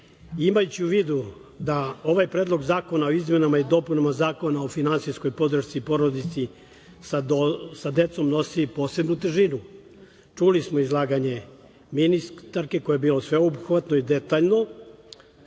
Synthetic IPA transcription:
imajut͡ɕiuʋiːd̪u | d̪ao̞ʋajpɾed̪lˠo̞ɡzaːko̞naoizme̞namaid̪o̞ːpunamazaːko̞nao̞finansijsko̞jpo̞d̪ɾr̩ʃt̪ipo̞ɾod̪it̪si | sasad̪e̞t̪so̞mno̞sipo̞ːse̞bnut̪ʒinu | t͡ʃulismoizlˠaːɡaɲe̞ | minist̪aɾke̞ko̞jebiːlo̞sʋe̞obuxʋat̪noid̪et̪aʎno̞

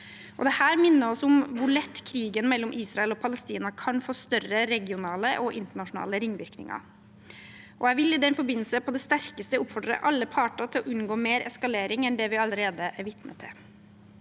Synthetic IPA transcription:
ʔɔ̰d̪ɛhæːɾmɪnːəɾɔsʊmʋʊɭɛt̪ːkʰɾiːɡənmɛlːɔmʔiːsɾɑɛlɔpʰɑləst̪iːnɑkʰɑnfoːst̪œrəɾɛɡɪʊnɑːləʔɔʔɪnt̪əɳɑʂʊnɑ̰ːləɾɪŋːʋɪɾknɪ̰ŋɑ̰ | ʔɔæʋɪlːɪd̪ɛnfɔɾbɪnl̩səpʰɔd̪ɛst̪æɾkəst̪əʊpfɔɖ̪ɾə̰ʔɑlːəpʰɑːʈɑt̪ʰɪlɔʔʉnɡoːmeːɾɛskɑleːɾɪŋɛnd̪ɛʋɪɑləɾeːd̪əʔæɾʋɪt̪nə̰t̪ʰɛ

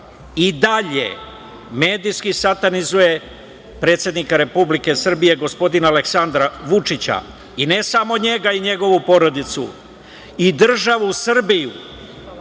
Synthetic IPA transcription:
id̪aʎe̞̰ | me̞ːd̪ijskisat̪anizuje | pɾet̪sje̞d̪nikaɾe̞publike̞sr̩bije̞ɡo̞spo̞d̪inaaːle̞ksand̪ɾaʋut͡ʂit͡ɕa̰ | ine̞samo̞ɲe̞ɡaiɲe̞ɡo̞ʋupo̞ɾo̞d̪it̪sṵ | id̪r̩ʒaʋusr̩biju

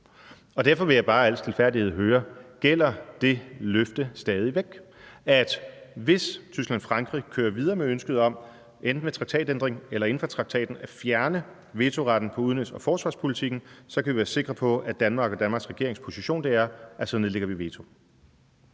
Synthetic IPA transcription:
ɒ̽d̥æɐfɒ̽ʋe̝jɑ̈ɪb̥ɑ̈ːæl̰stʰe̝lfæɐ̰diheð̰ˠɦøːɐɡ̥el̰ɐd̥e̝løfd̥əsd̥ɛːð̞ˠiʋeɡ̥æd̥ʋe̝st͡sʰysɡ̥lænɒfʁɑ̈ŋɡ̥ʁikʰøːɐʋið̞ˠɐːmeønsɡ̥əð̞ˠɒ̽m̰ | ʔend̥n̩ʋet͡sʰʁɑ̈ɡ̥t͡sʰɛ̰ːd̥end̥ʁeŋelɐe̝n̩fɒ̽t͡sʰʁɑ̈ɡ̥t͡sʰɛ̰ːd̥n̩æfjæɐnə | ʋe̝ːt͡sʰo̝ʁɑ̈d̥n̩pʰɒ̽uðˠnø̥sɒfɒːsʋɑ̈ːspʰo̝lit͡sʰiɡ̥n̩sɒ̽kʰæʋiʋæːɐse̝ɡ̥ʁɐpʰɒ̽æd̥ænmɑ̈ːɡ̥ɒdænmɑ̈ːɡsʁɛɡ̥e̝ɐeŋspʰo̝siɕo̝̰ːnd̥e̝æɐʔæsɒneðˠleɡ̥ɐʋiʋe̝ːt͡sʰo̝

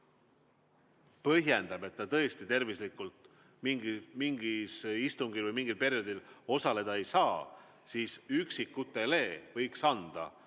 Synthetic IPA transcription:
pɤɦje̞nd̪̥ɑb̥e̞t̪ːɑt̪ɤ̞est̪it̪e̞rvislikult̪ˑ | miŋɡimiŋɡ̥isist̪uŋɡ̥ilvəjmiŋɡ̥ilpe̞ɾio̞d̪̥ilo̞sɑle̞d̪̥ɑejsɑː | siːsyksikːut̪ːe̞le̞ːvɤ̞jksɑnd̪̥ɑ̰

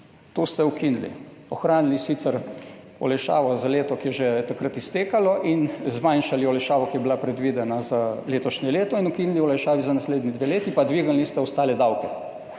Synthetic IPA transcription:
t̪oːst̪ɛukinilḭ | ɔxɾaːnilisit̪sɛɾ | ɔ̰lɛjʃa̰ːʋɔzaleːt̪ɔkijɛʒet̪akɾət̪ist̪eːkalɔʔinzmanʃaliɔlɛjʃaːʋɔkijɛbilapɾɛd̪ʋid̪ɛnazaleːt̪ɔʃnɛleːt̪ɔinukiniliɔlɛjʃaːʋizanasleːd̪nid̪ʋeleːt̪ipad̪ʋiːɡalnist̪ɛɔst̪aːlɛd̪awkɛ

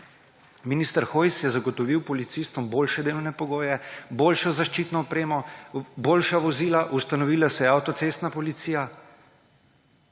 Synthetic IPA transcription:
minist̪əɾxoːjsjɛzaɡɔt̪ɔʋiwpɔlit̪sist̪ʋɔmboːlʃɛd̪eːlɔwnɛpɔɡoːjɛboːlʃɔzaʃt͡ʃiːt̪nɔɔpɾeːmɔboːlʃaʋɔziːlaʔust̪anɔʋiːlasɛjɛawt̪ɔt̪sest̪napɔlit̪siːja

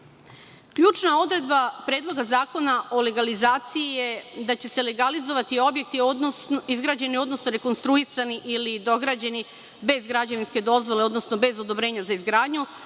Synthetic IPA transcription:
kʎuːt͡ʃnao̞d̪ɾe̞d̪bapɾe̞ːd̪lˠo̞ɡazaːko̞naʔo̞le̞ɡalizaːt̪sijije̞d̪at͡ɕe̞se̞le̞ɡalizo̞ʋat̪io̞bje̞k̚t̪iod̪nonizɡɾaːd͡ʑe̞nio̞d̪no̞snoɾe̞ko̞nst̪ɾuisaniʔilid̪o̞ɡɾaːd͡ʑe̞ni | be̞zɡɾad͡ʑaʋinske̞d̪o̞zʋo̞leo̞d̪nosno̞be̞zo̞d̪o̞bɾe̞ːɲazaizɡɾaːd̪ɲu

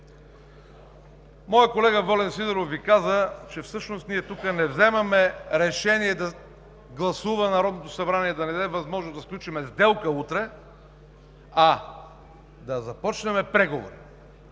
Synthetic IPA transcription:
mɔjəkolɛɡəvɔlɛnsid̪ɛɾofːikazət͡ʃɛfsɤʃnost̪niɛt̪ukənɛvzɛmɐmɛɾɛʃɛniɛd̪ɐ | ɡlˠɐsuvənɐɾɔd̪not̪osɐbɾaniɛd̪ɐnɛd̪ɛvɐzmɔʒnozd̪ɐfklʲut͡ʃimɛzd̪ɛlˠkəut̪ɾɛ | a | d̪ɐzɐpɔt͡ʃnɛmɛpɾɛɡovo̰ɾi

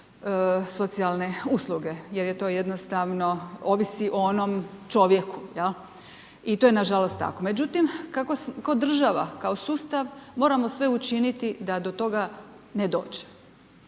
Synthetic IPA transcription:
so̞t̪sialne̞uslˠuɡe̞jeɾjet̪o̞jed̪nost̪aʋno̞oʋisiʔoonomt͡ʃo̞ʋje̞kujel | it̪ojenaʒalost̪ːa̰ko̞me̞d͡ʑut̪imkakoskaod̪r̩ʒaʋakao̞suːst̪aʋmo̞ːɾamo̞sʋe̞ut͡ʃinit̪id̪ad̪ot̪o̞ɡaned̪o̞ːd͡ʑe̥

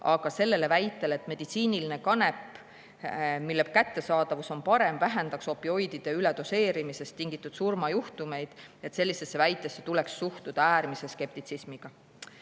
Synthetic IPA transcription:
ɑɡ̥ɑse̞lːe̞le̞væjt̪ːˑe̞le̞t̪ːˑme̞d̪̥it̪siːniline̞kɑne̞pː | milːepkæt̪ːe̞sɑːd̪̥ɑvuso̞npɑɾe̞mvæɦend̪̥ɑkso̞pːio̞jd̪̥id̪̥e̞yled̪̥o̞se̞ːɾimise̞st̪iŋɡ̥it̪ːˑud̪̥surmɑjuht̪ume̞jd̪̥et̪se̞lːise̞sːe̞væjt̪ːˑesːe̞t̪ule̞ksːuht̪ud̪̥ɑæːɾmise̞ske̞p̚t̪it̪sismiɡ̥ɑ

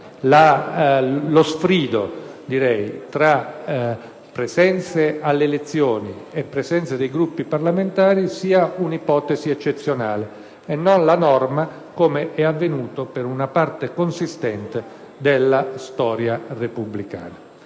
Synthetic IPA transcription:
la | losfɾiːd̪od̪iɾɛjt̪ɾa | pːɾesɛnt̪sealːeːlet̪sːjoːniepːɾesɛnt̪sad̪ejɡɾupːiparlament̪aːɾisiːaunipɔːt̪esiɛt͡ʃːet̪sːjonaːleː | nːonlanɔrma | komeʔɛavːenuːt̪opeɾunapart̪ekonsist̪ɛnt̪e | d̪elːast̪ɔːɾjarepublika̰ːna

